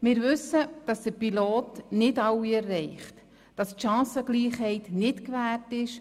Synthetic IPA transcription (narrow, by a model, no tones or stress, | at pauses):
mɪːɾvʏsəd̥ɑsd̥əɾpiloːtnɪdɑwːiɛrːɛɪχt | d̥ɑstʃɑ̃ːsəɡ̥liːχɦɛɪtnɪtkʋæːrtɪʃ